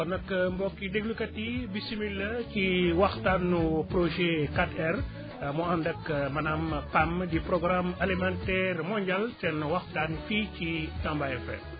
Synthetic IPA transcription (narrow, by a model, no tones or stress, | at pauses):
ɔnɐkːmbɔkːideɡlukɐtibisimilːɐciwɐxtanːupɾoʒɛkatɛr | mɔɐndɐkmɐnampamdipɾɔɡɾamelimantɛːrmɔɲɟɐltɛnwɐxtanficitambajɛfɛ̰